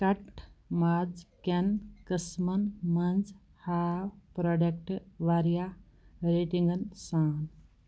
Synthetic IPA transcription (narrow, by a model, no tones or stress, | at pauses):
kɐʈmad͡zkɐnkəsmɐnmɐnd͡z | haːwpɾoɖɐk̚ʈʋaɾja | ɾeʈiŋɡɐnsaːn